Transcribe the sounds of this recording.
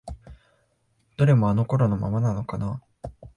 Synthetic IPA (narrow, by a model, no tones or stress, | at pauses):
d̪̥oɾe̞mo̞ano̞ko̞ɾono̞ma̰manano̞kana